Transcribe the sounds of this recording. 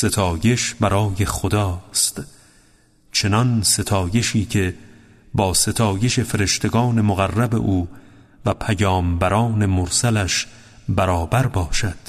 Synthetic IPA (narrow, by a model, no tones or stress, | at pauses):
se̞t̪ʰɒːje̞ʃbæɾɒːje̞χod̪ɒːst̪ | t͡ʃʰe̞nɒnse̞t̪ʰɒːje̞ʃiːcʰe̞ | bɒːse̞t̪ʰɒːje̞ʃe̞fe̞ɾe̞ʃt̪ʰe̞ɡɒːne̞moɣærːæbe̞̰ʔuː | væpʰæjɒːmbæɾɒːne̞moɾsælæʃ | bæɾɒːbæɾbɒːʃæd̪̥